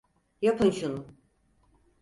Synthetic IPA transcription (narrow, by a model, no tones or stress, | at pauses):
japʰɯnʃunu